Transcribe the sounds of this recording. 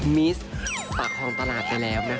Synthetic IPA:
mi˦˥spaː˨˩k̚ʰːɔ˧o˧mt̪ʰa˧laː˨˩t̪̚pa˧jlɛː˦˥wna˦˥

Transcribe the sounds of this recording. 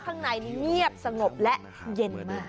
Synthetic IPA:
kʰaː˥˩ŋna˧ji˧ŋi˦˥˩əp̚sa˧ŋo˨˩p̚lɛ˦˥ʔ | je˧nmaː˥˩

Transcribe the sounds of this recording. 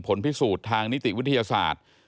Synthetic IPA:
pʰo˩˦npi˦˥suː˨˩t̪ʰːaː˧ŋni˦˥t̪i˨˩wi˦˥t̪ʰːa˧jaː˧sa̰ː˨˩t̪̚

